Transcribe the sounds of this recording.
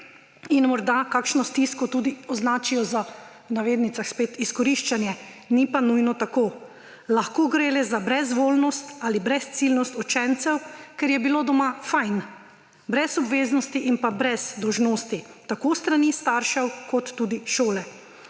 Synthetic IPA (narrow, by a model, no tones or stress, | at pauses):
inmɔɾd̪akaːkʃnɔst̪iskɔt̪ud̪iɔznaːt͡ʃijɔza | naʋeːd̪nit̪saxspeːt̪iskɔɾiʃt͡ʃanjɛnipanujnɔt̪akoː | laxkoɡɾeːlɛzabɾɛzʋoːlnɔst̪alibɾɛst̪silnɔst̪ɔt͡ʃɛnt̪sɛwkɛɾjɛbiloːd̪ɔmafajn | bɾɛsɔbʋeːznɔst̪iʔinpabɾɛz̥d̪ɔwʒnoːst̪it̪akost̪ɾanist̪aɾʃɛwkɔt̪ːuːd̪iʃoːlɛ